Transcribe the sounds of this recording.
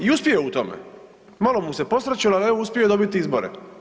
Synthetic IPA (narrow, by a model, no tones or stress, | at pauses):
iuspʲjejout̪omḛ | malomuse̞posɾat͡ɕolaleouspʲjiod̪obit̪iizboɾḛ